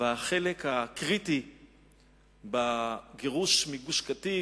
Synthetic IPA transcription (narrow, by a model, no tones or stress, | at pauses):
veaχelekhakʁiti | baɡeʁuʃmiɡuʃkati